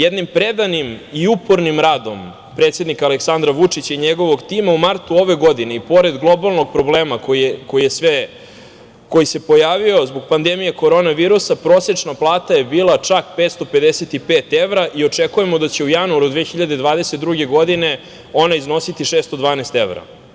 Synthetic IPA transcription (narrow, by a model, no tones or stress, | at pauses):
jed̪nimpɾed̪animiupoɾnimɾaːd̪o̞m | pɾet̪sje̞d̪nikaleksand̪ɾaʋut͡ʂit͡ɕaiɲeɡo̞ʋoɡt̪imaumaɾt̪uo̞ʋe̞ɡo̞d̪ine̞ipo̞ɾe̞d̪ɡlˠo̞balˠno̞ɡ̚pɾo̞bleːmakokojije̞sʋe | ko̞jise̞po̞jaːʋio̞zbo̞ɡ̚pand̪emijeko̞ɾo̞ːnaʋiːɾusapɾo̞ːset͡ʂnaplˠaːt̪aje̞biːlˠat͡ʂakpeːt̪st̪o̞pe̞d̪eset̪ipeːt̪eʋɾaʔio̞t͡ʂekuje̞mod̪at͡ɕe̞ujanuaɾud̪ʋexiʎad̪e̞d̪ʋaːd̪eset̪̚d̪ɾuɡe̞ɡo̞d̪ine̞ | o̞naizno̞sit̪iʂeːst̪o̞d̪ʋaːnest̪eʋɾa̰